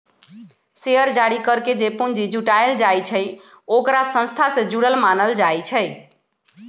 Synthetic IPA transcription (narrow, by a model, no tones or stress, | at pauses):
seəɾd͡ʒaɽikəɾked͡ʒepund͡ʒid͡ʒuʈaeld͡ʒajt͡ʃʰəj | okɾasə̃nst̪ʰasẽd͡ʒuɽəlmanəld͡ʒajt͡ʃʰə